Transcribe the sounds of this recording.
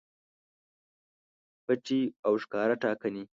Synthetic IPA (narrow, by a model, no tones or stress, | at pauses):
bɐt͡ʃiːawʃkaːɾɐʈaːkɐni